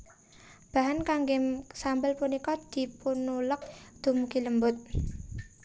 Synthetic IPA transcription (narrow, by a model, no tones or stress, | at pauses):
b̥aɦankaŋɡesambəlpunikɔd̪̥i̤punulək̚d̪̥ṳmkiləmbʊt̪̚